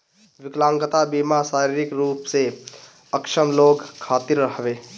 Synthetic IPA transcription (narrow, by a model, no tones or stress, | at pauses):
ʋɪklãŋɡət̪abimasaɾiɾikɾupse | əkʃəmloɡkʰːat̪iɾːəɦbe